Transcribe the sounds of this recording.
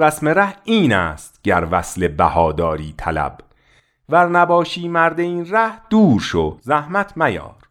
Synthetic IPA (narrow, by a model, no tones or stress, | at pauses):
æsmeɾæhiːnæːst̪̚ɟæɾvæsle̞bæ̰hɒːd̪ɒːɾiːt̪ʰælæ̰b | væɾnæbɒːʃiːmæɾd̪e̞iːnræhd̪̥uːɾʃozæhmæt̪ʰmæjɒ̰ːɾ